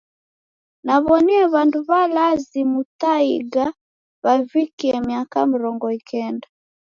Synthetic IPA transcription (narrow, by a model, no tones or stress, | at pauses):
naβɔniɛβanduβalazimutaiɡa | βavikiɛmijakam̩ɾɔŋɡɔikɛnda